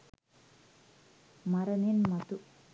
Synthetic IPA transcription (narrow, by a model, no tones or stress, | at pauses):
mɐɾɐninmɐt̪ːu